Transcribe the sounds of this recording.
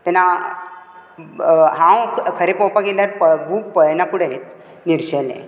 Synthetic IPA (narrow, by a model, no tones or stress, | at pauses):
t̪ɛna | ɦãwkʰəɾepɔpaɡeljaɾpəbʱupəjnakuɽet͡s | niɾɕəlḛ̃